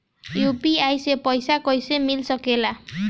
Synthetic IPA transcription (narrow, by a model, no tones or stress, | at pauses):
jupiajsepʌjsakʌjsemilsʌkela